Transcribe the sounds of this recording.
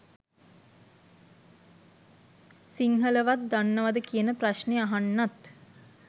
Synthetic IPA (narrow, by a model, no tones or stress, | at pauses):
siŋɦələʋat̪̚d̪anːəʋad̪əkijənəpraʃneaɦanːat̪